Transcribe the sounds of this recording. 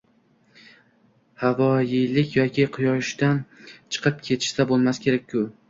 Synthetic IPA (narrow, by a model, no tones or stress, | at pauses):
havɒjɪlɪkʲjɒkʲʰɪqʰʊjɒʃd̪ant͡ʃʰɨ̥qʰɨp̚kʲʰe̞t̪ʰɪ̥ʃsabolˠmaskʲʰe̞ɾak̚ʲʰːʊ